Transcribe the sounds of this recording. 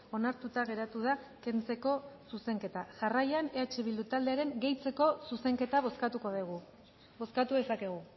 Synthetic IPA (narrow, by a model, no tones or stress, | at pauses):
o̞naɾt̪ut̪aɣ̞e̞ɾat̪uð̞ake̞nt͡se̞ko̞suse̞ŋke̞t̪aʝarajane̞at͡ʃe̞βild̪ut̪ald̪e̞aɾe̞ŋɡe̞jt͡se̞ko̞suse̞ŋke̞t̪aβoskat̪ukoðeɣu | βo̞skat̪uðe̞sake̞ɣ̞u